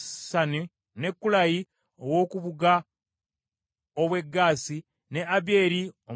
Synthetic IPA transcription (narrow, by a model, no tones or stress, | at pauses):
sani | ne̞kːulaji | owo̞ːkuβuɡa | oβwe̞ɡːaːsi | ne̞ʔaβje̞ːɾio